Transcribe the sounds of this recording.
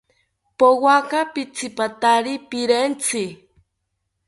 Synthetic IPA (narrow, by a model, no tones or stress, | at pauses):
powakapit͡sʰipat̪aɾipiɾent͡sʰi